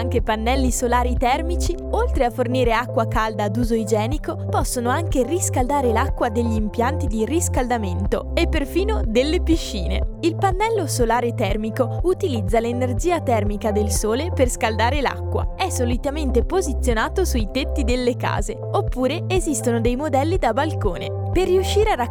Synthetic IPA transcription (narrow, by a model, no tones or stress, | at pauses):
aŋk̟epanːɛlːisolaːɾit̪ɛrmit͡ʃi | olt̪ɾeafːorniːɾeakːwakald̪aːd̪uːzoid͡ʒɛːnikopɔsːonoaŋkeriskald̪aːɾelakːwad̪eʎːiːmpjant̪id̪iriskald̪ament̪oepːerfiːnod̪elːepiʃːḭːnḛilpanːɛlːosolaːɾet̪ɛrmikout̪ilid̪zːalenerd͡ʒiːat̪ɛrmikad̪elsoːleperskald̪aːɾela̰kːwa̰ɛsːolit̪ament̪epozit̪sːjonaːt̪osujt̪et̪ːid̪elːeka̰ːze | opːuːɾeːzist̪onod̪ejmod̪ɛlːid̪abalkoːne | perːiuʃːiːɾeara